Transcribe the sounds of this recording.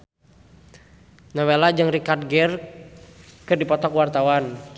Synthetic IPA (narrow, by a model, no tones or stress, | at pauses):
nɔwelad͡ʒaŋrikarɡɛr | kərdipɔt̪ɔkwart̪awan